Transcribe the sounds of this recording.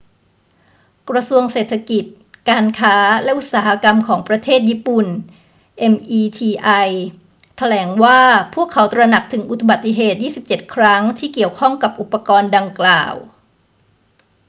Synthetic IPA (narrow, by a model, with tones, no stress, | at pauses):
kɾa˧su˧əŋseː˨˩t̪ʰa˧ki˨˩t̪̚ | kaː˧nkʰaː˦˥lɛ˦˥ʔu˨˩t̪̚saː˩˦ha˧ka˧mkʰɔː˩˦ŋpɾa˧t̪ʰeː˥˩t̪̚jiː˦˥˩pu˨˩n | ʔe˧mʔiː˧t̪ʰiː˧ʔa˧j | t̪ʰa˧lɛː˩˦ŋwaː˥˩pʰuː˥˩əkʰːa˩˦wt̪ɾa˧na˨˩k̚t̪ʰɯ˩˦ŋʔu˨˩t̪ʰu˧ba˨˩t̪ːi˧˩ɦeː˨˩t̪̚jiː˥˩si˨˩p̚t͡ɕe˨˩t̪̚kʰɾa˦˥ŋt̪ʰiː˥˩ki˨˩əwkʰɔ˥˩ŋka˨˩p̚ʔu˨˩pːa˧kɔː˧nda˧ŋkla̰ː˨˩w